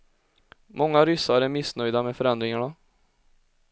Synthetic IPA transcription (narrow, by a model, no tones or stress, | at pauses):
mɔŋːaɾʏsːaɾæɾmɪsnœjd̪amɛfœɾɛnd̪ɾɪŋaɳa